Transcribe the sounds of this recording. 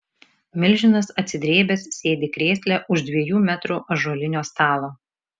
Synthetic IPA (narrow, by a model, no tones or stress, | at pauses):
mʲɪlʲʒʲɪnɐsɐt̪ʲsʲɪd̪ʲɾʲeːbʲɛssʲeːd̪ʲeːkɾʲeːsʲlʲɛʔʊʃd̪ʲʋʲiɛjuːmʲæt̪ɾuːʔɐʒoɔlʲɪnʲoːst̪ɑːlˠoː